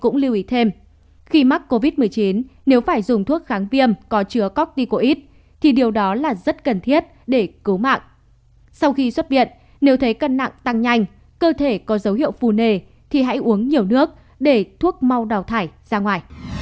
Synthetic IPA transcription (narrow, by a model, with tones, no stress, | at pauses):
kʊ̰˧˥ŋ͡mli˧wʔi˨˦t̪ʰe˧m | xi˧ma˦˥k̚ko˧vi˦˥t̚mɨ˨˩əjt͡ɕi˨˦nːe˨˦wfaː˧˩jzʊ˨˩ŋ͡mt̪ʰu˦˥ək̚xaː˨˦ŋvi˧əmkɔ˨˦t͡ɕɨ˨˦əkɔ˦˥k̚t̪i˧ko˧ʔi˦˥t̚ | t̪ʰi˨˩ɗi˨˩əwɗɔ˨˦laː˨˩zə˦˥t̚kə˨˩nt̪ʰi˦˥ət̚ | ɗe˧˩kɨ˨˦wma̰ː˧˨ŋʔ | sa˧wxi˧swə˦˥t̚vḭ˧˨ə˨nː | e˨˦wt̪ʰə˨˦jkə˧nːa̰˧˨ŋt̪a˧ŋɲa˧jŋ̟ | kəː˧t̪ʰe˧˩kɔ˨˦zə˨˦whḭ˧˨əwfu˨˩ne˨˩ | t̪ʰi˨˩ɦa̰˧˥jʔu˨˦əŋɲi˨˩əwnɨ˦˥ək̚ | ɗe˧˩t̪ʰu˦˥ək̚ma˧wɗa˨˩wt̪ʰaː˧˩jz̥aː˧ŋwaː˨˩j